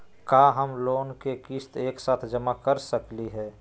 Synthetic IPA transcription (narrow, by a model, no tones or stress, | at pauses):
kaːɦəmloːnkekist̪eːksaːt̪ʰd͡ʒəmakəɾsəkliɦɛː